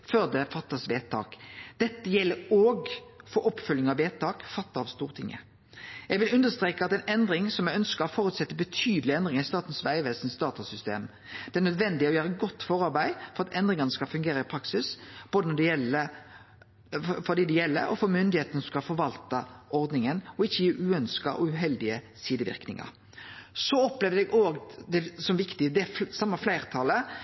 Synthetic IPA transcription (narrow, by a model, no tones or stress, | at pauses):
fœʁd̪ɛfɑt̪ːɑsʋeːt̪ʰːɑ̰ːkd̪̥ɛt̪ːəjɛlːəɾoːɡfɔɾɔpːfʉlnɪŋɑʋʋeːt̪ːɑːkfɑt̪ːɑɑʋst̪uːʁt̪ʰɪŋːʔə̰ | jɛɡʋɪlʉnd̪əst̪ɾʁeːkɑt̪ɛɪnɛnd̪ɾɪŋsɔmjæɡœnskəfɔɾʉt̪sɛt̪ːəbət̪ʰyːd̪əlɪɛnd̪ʁɪŋɪst̪ɑːt̪n̩sʋæɪəʋeːlsn̩sd̪ɑːt̪ɑsʏst̪ḛːm | d̪ɛæːʁnœd̪ʋɛnd̪ɪɔjøːɾəɡɔt̪ːfɔʁɑʁbæɪfɔɾɑt̪ɛnd̪ɾɪŋɑnəskɑlfʉŋɡeːɾəɪpʰɾɑksɪsb̥oːd̪ənɔd̪ɛjɛlə | fɔʁd̪iːd̪ɛjɛlːə̰ɾɔfɔmʏnd̪ɪheːt̪ənsɔmskɑfɔɾʋɑlt̪ɑʔɔɾd̪nɪŋənɔɪçːəjiːʉːœnskɑʔɔʉɦɛld̪ɪə | siːd̪əʋɪ̰ɾknɪ̰ŋɑ̰ɾ | sɔɔplɛʋd̪ɛɡʔoːɡd̪ɛsɔmʋɪkt̪ɪəd̪ɛsɑmːɑflæɪʁt̪ʰɑlə